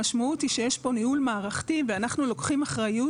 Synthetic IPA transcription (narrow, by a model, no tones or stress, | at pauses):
aʃmaut̪iʃejeʃpo̞nihulmaːʁaχt̪iveanaχnulokχimaχʁaju